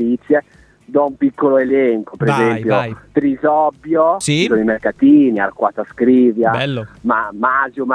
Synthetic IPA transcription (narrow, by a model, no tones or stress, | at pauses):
it̪sːje | d̪ɔumpikːoloelɛŋkopeɾezɛmppjot̪ɾizɔbːjoisonoimerkat̪iːnia̰rkwat̪askɾiːvjamamaːzjom